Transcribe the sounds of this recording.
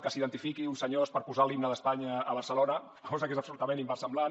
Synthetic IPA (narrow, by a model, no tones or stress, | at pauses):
kəsiðənt̪ifikiunsəɲospəɾpuzalimnəðəspaɲəβ̞əɾsəlonə | kʰɔzəkezəpsulut̪əmẽnimbasəmbla